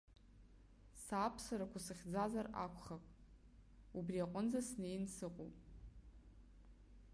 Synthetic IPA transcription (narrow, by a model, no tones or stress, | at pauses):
sapʰsaɾakʷʰasɨχʲd͡zazara̰kʷʰχapʼ | ubriaqʷʼʊnd͡zasne̞jnsɨqʼo̰pʼ